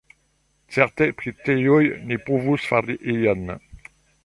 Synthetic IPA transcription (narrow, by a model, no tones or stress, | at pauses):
sɛʁt̪ɛ̃pχit̪ejɔjnepuvusfaɾiʔejan